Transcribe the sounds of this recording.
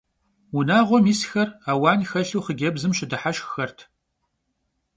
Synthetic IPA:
unaːʁʷɔmiːsxɐraːwaːnxɐɬuːχəɡʲɐbzɨmʃɪdɨħaʃxxɐrtʰ

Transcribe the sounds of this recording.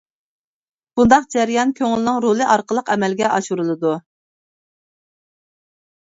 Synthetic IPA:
b̥und̪ɑqd͡ʒæɾijɑnkʲʰøŋlɪnɨŋɾolˠɨʔɑɾqəlˠəqɛmɛlɡʲɛʔɑʃuɾulˠɨd̪u

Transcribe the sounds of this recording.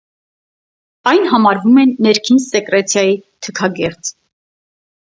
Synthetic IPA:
ɑjnɦɑmɑɾvumɛnːɛɾkʰinsɛkɾɛt͡sʰjɑjit̪ʰəkʰɑɡɛɾt͡s

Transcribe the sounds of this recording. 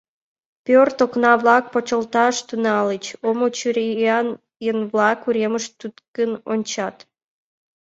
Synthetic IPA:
pʲørt̪oknɑβlɑk̚pot͡ɕəlt̪ɑʃt̪unɑlət͡ɕomot͡ɕyɾiɑn | jənβlɑkuɾeməʃt̪ut̪kənonʲt͡ɕɑt̪

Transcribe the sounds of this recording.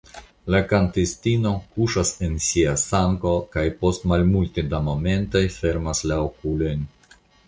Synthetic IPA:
lakantistino̞kuʃase̞nsiasaŋko̞kajpo̞stmalmultedamo̞me̞ntojfe̞ɾmaslaokulo̞jn

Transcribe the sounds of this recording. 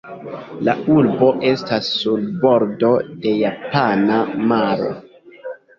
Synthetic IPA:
laulbo̞ʔe̞stasːulbo̞ɾdo̞de̞japanamaɾo̰

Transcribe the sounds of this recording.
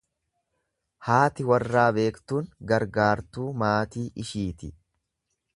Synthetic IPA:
haːt̪ɪwɐrːaːbe̞ːkt̪uːŋɡɐɾɡaːɾt̪uːmaːt̪iːʔɪʃiːt̪ɪ

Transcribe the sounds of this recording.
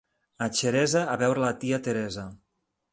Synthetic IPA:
at͡ʃeɾɛzaːβɛwɾelat̪iat̪eɾɛza

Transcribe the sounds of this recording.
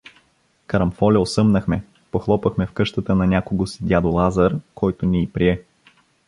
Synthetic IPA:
kɐɾɐmfɔlʲɛosɤmnɐxmɛ | poxlˠɔpəxmɛfkɤʃt̪ət̪ənɐnʲakoɡosid̪ʲad̪olˠazəɾkʰɔjt̪oniːpɾiɛ

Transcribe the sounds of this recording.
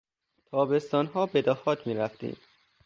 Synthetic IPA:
t̪ʰɒːbe̞st̪ɒːnɦɒːbe̞d̪ɒːhɒːt̪ʰmiːɾæft̪ḭːm̥

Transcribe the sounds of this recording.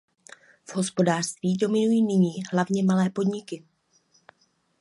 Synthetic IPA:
v̥ɦo̞spo̞daːr̥st̪viːdo̞mɪnujiːnɪɲiːɦlavɲɛmalɛːpo̞dɲɪkɪ

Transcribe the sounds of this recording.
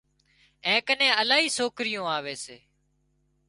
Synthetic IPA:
ɛ̃ːkənẽːəlaːɦiːsoːkɾɪjõːaːʋeːseː

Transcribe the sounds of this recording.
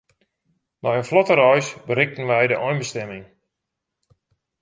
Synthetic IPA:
majənflɔtəɾɔjsbəɾɪk̚tən̩ʋɛjdəʔɔjnbəstɛmɪŋ

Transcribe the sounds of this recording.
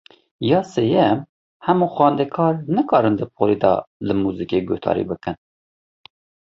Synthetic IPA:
jɑːseːjɛm | hɛmuːxwɑːnd̪ɛkʰɑːɾnɨkɑːɾɨnd̪ɨpʰoɾid̪ɑ̰lɨmuːzikeːɡoht̪ʰɑ̰ːɾḭbɨkɨn

